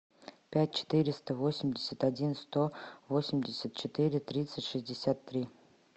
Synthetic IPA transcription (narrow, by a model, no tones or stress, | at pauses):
pʲæt̚ʲt͡ɕɪ̥t̪ɨɾʲɪst̪əvosʲɪmʲdʲɪsʲət̪adʲinst̪ovosʲɪmʲdʲɪsʲət̪̚t͡ɕɪt̪ɨɾʲɪt̪ɾʲit̪sɨtʲʂɨzʲdʲɪsʲat̪ːɾʲi